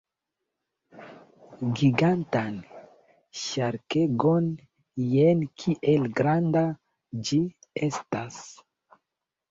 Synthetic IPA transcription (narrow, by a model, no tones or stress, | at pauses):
ɡiɡantan | ʃaɾkeɡon | jenkʰiʔelɡɾanda | d͡ʒiestas